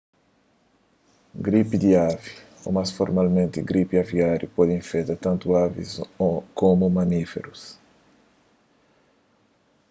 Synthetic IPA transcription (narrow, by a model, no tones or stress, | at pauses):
ɡɾipid̪iavi | o̰masfoɾmalmẽnt̪ɪɡɾipiaviaɾjupɔd̪ĩɱfɛt̪at̪ãnt̪uavḭsokomumanifḛɾus